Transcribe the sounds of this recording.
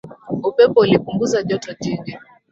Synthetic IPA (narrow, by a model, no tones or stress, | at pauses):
upɛpɔulipuŋɡuzaʄɔtɔʄiɡi